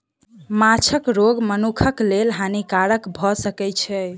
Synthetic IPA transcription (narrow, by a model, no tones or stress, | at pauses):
mat͡ʃʰəkɾoɡmənukʰəklelɦanikaɾəkbʱɔsəkɛt͡ʃʰɛ